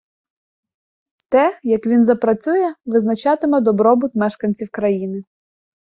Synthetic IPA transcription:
t̪ɛjɐkʋʲinzɐpɾɐt͡sʲujɛʋɪznɐt͡ʃɑt̪ɪmɛd̪ɔbɾɔbʊt̪mɛʃkɐnʲt͡sʲiwkɾɐjinɪ

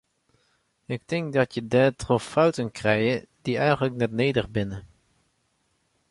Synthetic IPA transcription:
ɪk̚tɪŋk̚dɑtjədɛːtrɔffœwtənkrɛjəd̥iɛjχənləknɛtneːdəχbɪnə

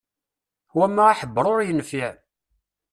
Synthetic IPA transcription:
wæmːæaħəbːəɾˤoɾjənfiʕ

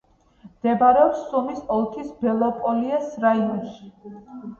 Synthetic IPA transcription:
md̪̥ɛbaɾɛɔpsːumisɔlˠt̪ʰisbɛlˠɔpʼɔliɛsɾaiɔnʃi̥

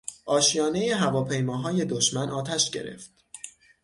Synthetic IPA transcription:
ʔɒːʃjɒːne̞jeɦævɒːpʰe̞jmɒːɦɒːje̞d̪oʃmænʔɒːt̪ʰæʃɟe̞̰ɾe̞̰ft̪

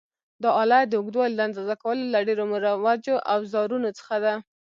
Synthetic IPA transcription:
d̪əɑlɑd̪əʊɡd̪wɑld̪and̪ɑzakawəlolaɖeɾomuɾawad͡ʒoʔawzɑɾunot͡sə̥xad̪a

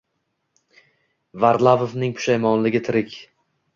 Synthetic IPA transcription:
vaɾd̪lˠavovnɪŋpʰʊ̥ʃajmɒnlɪɡʲɪt̪ʰɪɾɪkʲ

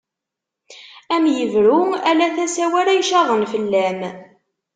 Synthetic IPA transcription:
æmjəvɾuælæθæsæwæɾæjʃɑʁˤənfəlːæm

